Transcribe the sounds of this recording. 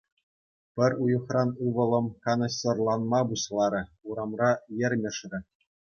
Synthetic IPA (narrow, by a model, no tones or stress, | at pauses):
pʲɘ̆rʲujɤ̆χrɑnuʋɤ̆lˠɤ̆mkɑnɤ̆ɕɤ̆rlˠɑnmɑbuɕlˠɑɾʲɘ̆uɾɑmrɑjɘ̆rʲmʲɘ̆ʂrʲɘ̆